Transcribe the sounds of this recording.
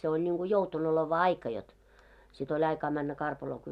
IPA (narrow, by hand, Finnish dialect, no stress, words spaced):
se olʲ nʲiŋɡ̊u joutonoleʋɑ ɑikɑ jot sit olʲ ɑikɑː mænːæ kɑrpɑloː